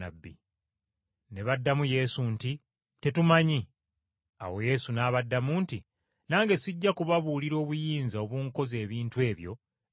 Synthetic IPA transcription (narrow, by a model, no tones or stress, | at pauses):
a̰bːḭ | ne̞βadːamuje̞ːsunti | te̞tumaɲi | a̰wo̞je̞sunaːβadːamunti | naːŋɡe̞siɟːakuβaβuliɾo̞ːβujiːnzao̞βuːŋko̞ze̞ːβiːntwe̞ːβjo̞